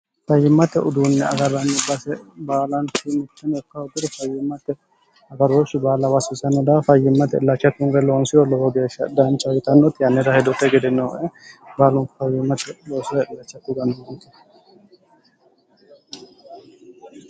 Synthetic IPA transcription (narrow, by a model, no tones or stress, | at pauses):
fɐjːɪmːɐt̪ɛʔʊd̪uːnːɛɐɡɐɾːɐnːɛbɐsɛbaːlɐntɪmɪt̪ːɐnɔkːɐʊd̪ʊd̪ɛfɐjːɪmːɐt̪ːɛ | ɐɡɐɾoːʃːɪbaːlɐwɐsɪsɐnːɛd̪afɐjːɪmːɐt̪ɛɪlːɐt͡ʃːɐt̪ːʊŋɡɛloːnsɪjɔlɔwɔɡeːʃːɐd̪ɐnt͡ʃːɐwɪt̪ɐnːɔt̪ɪjɐnːɛd̪ahɛd̪ɔt̪ːɛɡɛd̪ɛnːɔʔɛbaːlʊŋkfɐjɪmːɐt̪ɛloːsɔɛɪlɐt͡ʃːɐt̪ːʊɡɐnːɔhɐŋkːɛ